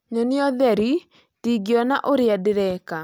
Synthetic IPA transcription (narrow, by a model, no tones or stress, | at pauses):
ɲoniɔðɛɾi | tiɡiɔnaʔoɾeadɪɾɛka